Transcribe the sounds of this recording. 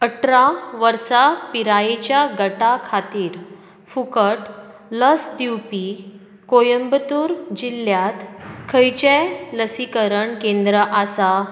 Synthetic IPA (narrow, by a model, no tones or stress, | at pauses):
əʈʰɾaʋəɾsapiɾajet͡ɕjaɡəʈakʰat̪iːɾ | fukəʈ | ləsd̪iwpi | kojəmbt̪uːɾd͡ʑilːjat̪kʰəjt͡ɕeləsikəɾəɳkẽnd̪ɾəʔasa